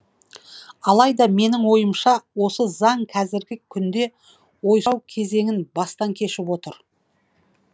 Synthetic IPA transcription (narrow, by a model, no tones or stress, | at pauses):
ɑlˠɑjd̪ɑme̞nɪŋwo̞jəmʃɑwo̞səzɑɴqʰæzɪɾɡʲɪkʲʰʏnd̪e̞ | wo̞jwkʲʰe̞ze̞ŋɪnbɑst̪ɑŋkʲʰe̞ʃɪpwo̞t̪əɾ